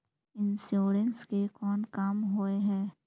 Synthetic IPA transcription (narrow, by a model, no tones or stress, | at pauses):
ɪnsjoːɾənskekɔːnkaːmɦoeɦɛː